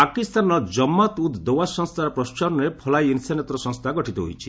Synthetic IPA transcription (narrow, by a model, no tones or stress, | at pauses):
pakist̪anɔd͡ʒɔmːat̪ud̪d̪owasɔŋst̪ʰaɾɔpɾɔst͡ʃɔnɾepʰɔlajinsanet̪ɾɔsɔ̃ŋst̪ʰaɡɔʈit̪ɔɦo̰jt͡ʃʰi̥